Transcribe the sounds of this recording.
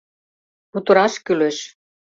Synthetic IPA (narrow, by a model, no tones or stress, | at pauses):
put̪uɾɑʃkyløʃ